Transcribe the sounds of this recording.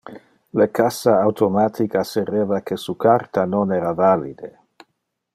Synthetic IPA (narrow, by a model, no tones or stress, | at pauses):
lekasaːwt̪ʰomat̪ʰikaserevakʰesukʰart̪anonɛːɾavalḭd̪e